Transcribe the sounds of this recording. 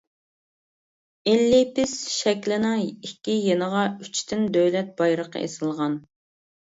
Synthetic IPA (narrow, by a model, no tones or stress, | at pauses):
ɪlːɪpɪsʃɛkʲlɪnɪŋikʲːijenəʁɑy̥t͡ʃʰt̪ʰɪnd̪øwlɛt̪̚b̥ɑjɾəqə̰ḛsɨlˠʁɑn